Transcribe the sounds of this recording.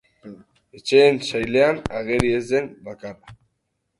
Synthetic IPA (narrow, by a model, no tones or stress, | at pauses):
et͡ʃeːnʃajle̞anaɣeɾiezd̪enbakara